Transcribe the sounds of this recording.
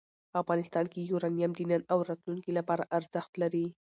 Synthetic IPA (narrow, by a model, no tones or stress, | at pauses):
afɣɑnɪst̪ɑnkejuɾɑnjamd̪inanawɾɑt̪luŋkilapɑɾaʔaɾz̥əxt̪laɾi